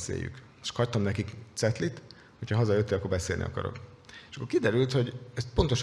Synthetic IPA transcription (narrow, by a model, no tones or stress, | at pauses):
sḛːjːy̰k | ʃkhɒc̚t̪ɒmnɛkikt̪sɛt̪lit̪ | hocʰɒɦɒzɒjøt̪ːeːlɒkorbɛseːlnḭɒ̰kɒ̰ɾo̞̰keʃɒkːorkid̪ɛɾylt̪ho̞ɟɛst̪̚po̞nt̪oʃ